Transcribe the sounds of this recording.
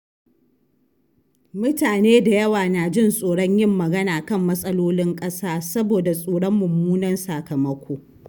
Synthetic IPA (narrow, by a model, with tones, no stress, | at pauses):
mʊ˦taː˨neː˦da˨jɐ˦waː˨na˨d͡ʒɪ˦nsʼoː˨ɽɔ˦ɲjɪ˦˨mːɐ˨ɡɐ˦naː˨kɐ˦˨mːɐ˦sʼɐ˦loː˦lɪ˦ŋkʼɐ˦saː˦sɐ˦boː˨da˨sʼoː˨ɽɔ˦mːʊ˨mːuː˦nɐ˦nsaː˨kɐ˨mɐ˦kʷʰoː˦